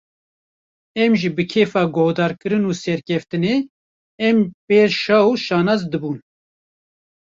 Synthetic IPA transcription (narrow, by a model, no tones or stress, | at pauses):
ɛmʒibɨkʰeːfɑːɡohd̪ɑːɾkɨɾɨnuːsɛɾkʲʰɛft̪ɨneː | ɛmpeːɾʃɑːuʃɑːnɑːzd̪ɨbuːn